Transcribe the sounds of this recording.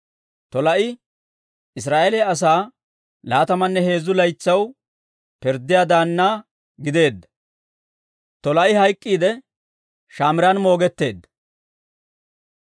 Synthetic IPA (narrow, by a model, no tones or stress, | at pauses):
t̪ɔlɐʔɪ | ɪs̬ɾaːʔelɛɐs̬aː | laːt̪ɐmɐnːɛhe̞ːzːʊlɐjt͡sːɐw | pɪɾd̪ːɪjaːd̪aːnːaː | ɡɪd̪e̞ːd̪ːɐ̥ | t̪ɔlɐʔɪhɐjkʼːiːd̪ɛ | ʃaːmɪɾɐnmo̞ːɡɛt̪ːe̞ːd̪ːɐ̥